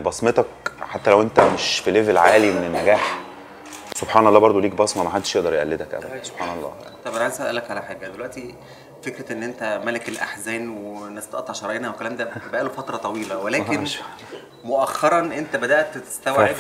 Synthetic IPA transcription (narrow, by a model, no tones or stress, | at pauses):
bɑsmet̪ɑkħat̪ːælæwʔent̪æmeʃfilevelʕaːlimenenːæɡæːħ | sobħaːnɑlːɑːbɑɾˤd̪ˤoliːk̚bɑsˤmɑmaħad̪ːeʃjeʔd̪ɑɾˤjeʔæ̰lːed̪ækʔæ̰æd̪nsob̥ħaːnɑlˤːɑ̰ːt̪ˤɑbʔælʕansæʔælːækʕalæħaːɡæd̪elwæʔt̪i | fekɾæʔenːʔent̪æmælekelʔa̰ħzæːnwenːæst̪ʔɑt̪ːɑʃɑɾˤɑjenæwekælæːmd̪æbæʔæːlufɑt̪ɾˤɑt̪ˤɑwiːlæwelæːke | moʔæxːɑɾˤɑnʔent̪æbæd̪æʔt̪t̪e̥st̪æwʕe